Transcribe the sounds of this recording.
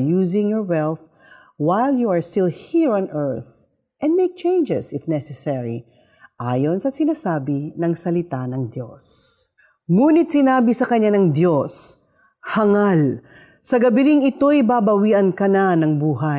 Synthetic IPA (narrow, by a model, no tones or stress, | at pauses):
juːzɪ̃ŋjɔɹwɛlˠθ | wajljuɐɹst̪ɪlˠhiɹɔ̃nʔɛɹθ | ʔɛ̃nd̪mejk̚t͡ʃẽjnd͡ʒɛsɪfnɛsɛsɛɹi | ʔa̰ːjonsɐsɪnaːsaːbɪnɐŋsɐlɪt̪anɐŋd̪jo̰s | ŋuːnɪt̪sɪnaːbisɐkɐɲːanɐŋd̪jos | hɐŋal | sɐɡɐbɪnɪŋɪt̪o̞jɪbabɐwiːʔɐnkɐnanɐŋbuːɦa